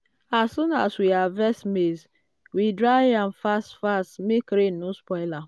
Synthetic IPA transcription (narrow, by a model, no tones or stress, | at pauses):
assunaswiavɛsmez | widɾajam̩fastfastmekɾenuspɔɪla